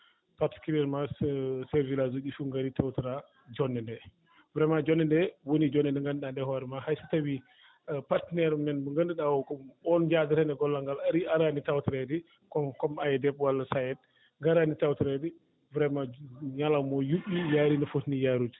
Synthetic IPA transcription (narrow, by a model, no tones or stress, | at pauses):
paɾti̥kulɛɾmasɛɾvilazuɟifuŋɡaɾitawtɾa | d͡ʒɔnːɛndɛ | vɾɛmad͡ʒɔnːɛndɛwonid͡ʒɔnɛndɛŋɡanɗandɛhɔɾmahajsi̥tawi | patnɛɾmɛnbəŋɡəndəɗawkɔmbɔnd͡ʒadəɾɛnɛɡɔlːaŋɡalaɾiʔaɾanitawtɾɛdi | kɔkɔmajɛdɛpwalːɐsajɛt̚ | ŋɡaɾanitawtɾadi | vɾɛmaɲalamɔjuɓnijaɾinəfutnijaɾut